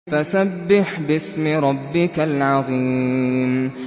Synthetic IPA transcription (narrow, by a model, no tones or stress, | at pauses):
fasabːɪħbɪsmɪɾˤɑbːɪkalʕɑðˤiːm